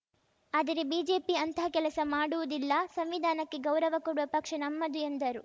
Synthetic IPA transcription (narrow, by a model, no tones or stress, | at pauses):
aːd̪ɐɾebiːd͡ʒe̞ːpiɐnt̪ʰɐɐkɛlɐsɐmaːɽuʋud̪ilːɐsɐmʋid̪ʱaːnɐkːe̞ɡɐwɾɐʋɐkoɽuʋɐpɐkʂɐnɐmːɐd̪uend̪ɐɾu